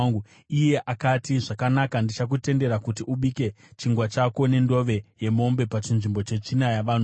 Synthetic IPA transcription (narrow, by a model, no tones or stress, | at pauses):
ŋɡu | ijeʔakatiʐakanakandit͡ʃak̬ute̞nde̞ɾakut̬iʔuɓike̞ | t͡ʃiŋɡwat͡ʃako̞ne̞ndo̞ʋe̞je̞mo̞mbe̞pat͡ʃinʐimbo̞t͡ʃe̞t͡ʃinajaʋan